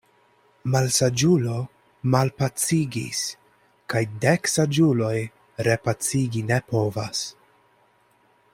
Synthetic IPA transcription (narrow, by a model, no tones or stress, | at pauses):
malsad͡ʒulo̞ | malpat͡siɡḭs | kajdeksad͡ʒulo̞j | ɾe̞pat͡siɡine̞po̞vas